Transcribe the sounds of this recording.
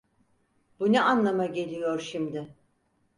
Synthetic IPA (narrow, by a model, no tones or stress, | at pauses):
bunuanlˠamaɟe̞lʲijoɾʃimd̪ɪ